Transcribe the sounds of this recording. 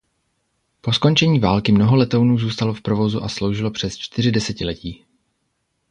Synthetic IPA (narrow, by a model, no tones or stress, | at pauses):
po̞sko̞nt͡ʃɛɲiːvaːlkɪmno̞ɦo̞lɛt̪ownuːzuːst̪alo̞fpɾo̞vo̞zuʔaslo̞wʒɪlo̞pr̝̥ɛst͡ʃt̪ɪr̝ɪdɛsɛcɪlɛciː